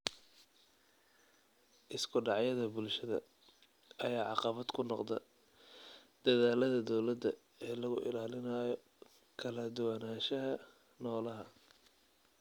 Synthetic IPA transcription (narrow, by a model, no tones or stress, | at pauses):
ʔɪskʰʊɖɑʕjɐðɐbʊlʃɐðɐ̰ | ɐjaːʕɑqɑβɐd̪kʰʊnɔqd̪ɐ̰ | d̪̥ɐðaːlɐðɐd̪ɔwlɐd̪ɐ | ɛːlɐɣʊʔɪ̰laːlɪnɐːjɔ | kʰɐlɐd̪ʊwɐnaːʃɐɦɐ | nɔːlɐɦɐ